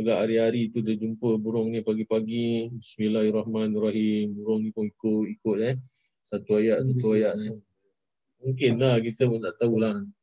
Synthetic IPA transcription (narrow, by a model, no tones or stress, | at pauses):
aɡaʔaɾiaɾit̪udad͡ʒumpəbuɾʊŋnipaɡipaɡibismilahrahmanraɦimbuɾʊŋnipʊŋikʊʔikʊʔ̪̚lɛ | sat̪uajaʔsat̪uajaʔn | muŋkɪnlakit̪əmənaʔt̪aula